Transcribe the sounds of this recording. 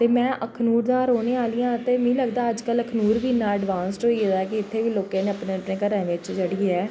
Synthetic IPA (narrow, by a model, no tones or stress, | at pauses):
t̪eːmɛ̃ːʔəkʰnuːɾd̪ãːɾoːɽeːaːlɪjãːt̪eːmɛ̃ĩːləɡd̪aːəd͡ʒkələkʰnuːɾʋiːnːãːəɖʋãːnsʈɦoːied̪ak̬ɪɪt̪ʰːeːʋiːloːkẽːneːəpnẽːəpneːkəɾãːʋɪt͡ʃd͡ʒəɽiːɛː